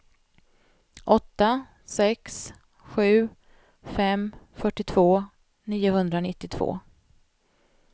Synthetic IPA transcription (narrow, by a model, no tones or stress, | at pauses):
ʔɔt̪ːa | sɛks | ɧʉ̟ː | fɛmfœʈːɪt̪ʰvoː | niːjʊhɵnd̪ɾanɪt̪ːɪt̪ʰv̥o̰ː